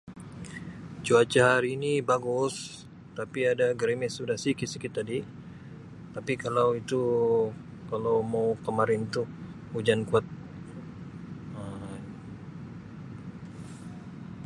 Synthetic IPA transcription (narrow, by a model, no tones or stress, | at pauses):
t͡ʃuat͡ʃaɦaɾiːnibaɡʊs | t̪apiadaɡəɾemɛsudahsikisikit̪adi | t̪apikalawit̪u | kalawmawkəmaɾɪnt̪u | ud͡ʒankuat̪̚ | ə